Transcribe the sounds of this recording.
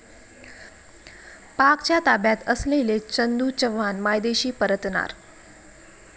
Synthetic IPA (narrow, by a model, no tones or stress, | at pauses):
pakt͡ɕjat̪abjat̪əslelet͡ɕənd̪ut͡ɕəʋanmajd̪eɕiːpəɾət̪na̰ɾ